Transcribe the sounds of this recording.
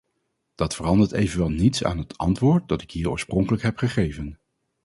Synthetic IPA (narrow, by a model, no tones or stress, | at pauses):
d̥ɑtfərɑndəɹtejvənʋɛlˠnitsa̰ːnɦətʰɑ̰ntʋʊːɹt̚dɑtɪkɦiːɹɔ̰ːɹsprɔŋkələkɦɛpχəχejvən